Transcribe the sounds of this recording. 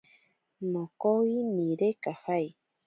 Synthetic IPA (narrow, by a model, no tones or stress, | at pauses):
mokowimiɾekahaj